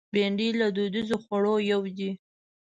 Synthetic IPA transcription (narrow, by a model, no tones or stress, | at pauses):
beɳɖilad̪od̪izoxwaɽojawd̪i